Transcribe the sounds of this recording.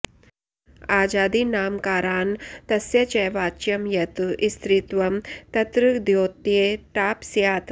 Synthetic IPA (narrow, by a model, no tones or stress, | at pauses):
aːd͡ʒaːd̪inaːmkaːɾaːnt̪ɐsjɐt͡ʃɐjʋaːt͡ʃjɐmjɐt̪ʔist̪ɾit̪ʋɐmt̪ɐt̪ɾɨd̪joːt̪jeːʈaːpsjaːt̪